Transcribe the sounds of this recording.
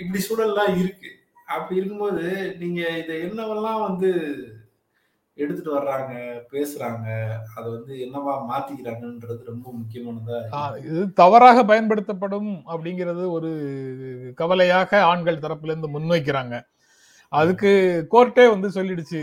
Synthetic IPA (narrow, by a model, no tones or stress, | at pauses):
ɪp̬ːɐɽisuːlɐllãːɪɾɯkːɯ | ɐpːɐɪɾɯk̬ːɯmpoːðɯniːŋɡɐɪðɐɪnːɐʋɐllãːʋɐnd̪ɯ | ɛɽɯt̪ːɯʈːɯʋɐɾɾaːŋɡɐpeːsɯɾaːŋɡɐɐðɐʋɐnd̪ɯɛnːɐʋaːmaːt̪ːɪkːɪɾaːŋɡɐɛnɾɐðɯɾɔmbɐmʊkːɪjɐmaːɳɐmd̪aːɪðɯt̪ɐʋɐɾaːɣɐpɐjɐnpɐɽɯt̪ːɐpːɐɽɯmɐpːɐɽɪŋɡɪɾɐðɯɔɾɯ | kɐʋɐlɐjaːɣɐaːɳɡɐɭt̪ɐɾɐpːɪlɪɾɯnd̪ɯmʊnːoːɪk̬ːɪɾaːŋɡɐ | ɐðɯkːɯkoːɾʈːeːʋɐnd̪ɯsɔlːɪɽɯt͡ʃːɯ